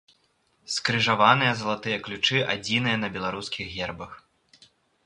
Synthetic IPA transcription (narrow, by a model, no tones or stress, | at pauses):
skɾɨʐavanɨjɐzɐlˠat̪ɨjɐklʲut͡ʂɨʔa̰d͡zʲin̪ɨjɐnɐbʲɛlˠaɾuskʲiɣɣʲɛrbɐx